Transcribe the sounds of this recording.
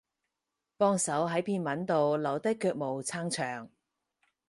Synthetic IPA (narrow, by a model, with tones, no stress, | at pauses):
pɔː˥ŋsɐ˨˥wɦɐ˨˥jpʰiː˧nmɐ˨˥nt̪o˨wlɐ˨˩wt̪ɐ˥kːœː˧k̚mo˨˩wt͡sʰaː˥ŋt͡ʃʰœː˨˩ŋ